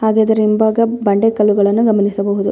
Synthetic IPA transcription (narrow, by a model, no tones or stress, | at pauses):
haːɡaːd̪ɐɾimbaːɡɐbɐɳɖekɐlːuɡɐɭɐnːuɡɐmɐnisɐbɐɦud̪u